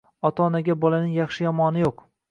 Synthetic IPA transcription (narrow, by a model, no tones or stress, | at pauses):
ɒt̪ʰaːnaɡʲabɒlanɪŋjaχʃɪjɒmɒnɪjoq